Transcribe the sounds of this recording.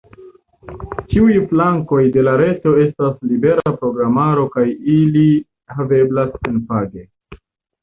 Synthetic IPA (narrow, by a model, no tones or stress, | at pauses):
t͡ʃiujflaŋko̞jde̞laɾe̞to̞e̞staslibe̞ɾapɾo̞ɡɾamaɾo̞kajili | have̞blasenpaɡe̞